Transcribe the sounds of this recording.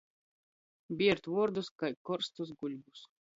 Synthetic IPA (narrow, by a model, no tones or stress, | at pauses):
bʲiɛɾt̪vuɔɾd̪uskajkɔɾst̪usɡuʎʲbus